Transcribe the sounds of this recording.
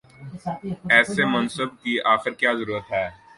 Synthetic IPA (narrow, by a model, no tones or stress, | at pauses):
ɛːsemɐnsəb̚kiaːxɪɾkjaːzɐɾuːɾət̪ɦɛː